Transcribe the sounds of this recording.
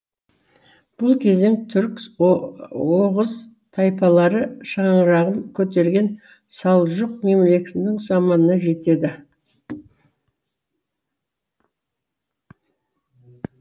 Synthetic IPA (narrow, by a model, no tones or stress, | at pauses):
b̥ʊlˠkʲʰe̞ze̞ŋt̪ʰʏɾk | woʁəz | t̪ʰɑjpɑlˠɑɾəʃɑɴəɾɑʁənkʲʰɵt̪e̞ɾɡʲe̞n | sɑlˠʒəq̚me̞mle̞kʲɪnd̪ɪŋsɑmɑnənɑʒe̞t̪e̞d̪ɪ